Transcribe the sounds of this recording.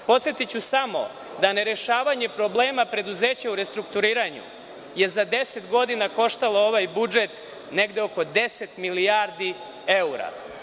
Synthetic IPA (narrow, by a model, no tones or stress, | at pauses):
po̞t̪sjet̪it͡ɕusamo̞̰ | d̪ane̞ɾe̞ʃaːʋaɲe̞pɾo̞bleːmapɾe̞d̪uze̞ːt͡ɕauɾe̞st̪ɾukt̪uɾiːɾaɲṵ | je̞zad̪e̞se̞t̪ɡo̞d̪inako̞ʃt̪alooʋajbud͡ʒe̞t̪ | ne̞ɡd̪eoko̞d̪e̞se̞t̪milijaɾd̪i | euɾa̰